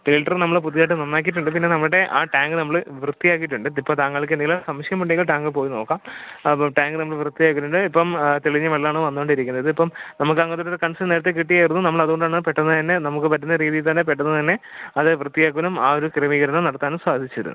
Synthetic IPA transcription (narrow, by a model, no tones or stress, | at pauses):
fiːʈːɐrnɐmːɐɭp̬uðijaːʈːɨnonːaːk̬ːiʈ̬ːuɳɖɨp̬inːe̞nɐmːɐɭɽe̞ʔaːʈaːŋɡɨnɐmːɐɭʋrɨt̪ːijaːk̬ːiʈ̬ːuɳɖɨipːoːɭt̪aːŋːɐɭik̬ɨend̪iɡɐlasɐmɐɕjɐmuʈːiŋɡɐɭʈaːŋɡɨpo̞ːjino̞ːkːaːmʈaːŋɡɨnɐmːɐɭʋrɨt̪ːijaːk̬ːiʈːuɳɖɨipːɐmt̪eɭiɲːɐʋɐɭːaːɳʋɐnːuoɳɖiɾikʲːunːɐɐðɨipːɐmnɐmukːɨɐŋːɐt̪uɾuekɐɳsneːɾɐt̪ːek̬iʈːijaːjiɾunːunɐmːɐɭɐðuɣo̞ɳɖaːɳpeʈːɐnːɐt̪ɐnːe̞nɐmukːɨpɐt̬ːunːɐɾiːðijilt̪ɐnːepeʈːunːɐt̪ɐnːe̞ɐðɨʋrɨt̪ːijaːkːuʋɐnumaːoɾukrɐmiːɣɐɾɐnːɐnɐɽɐt̪ːaːnumswaːd̪ʱit͡ɕːɐɾṵn̰ː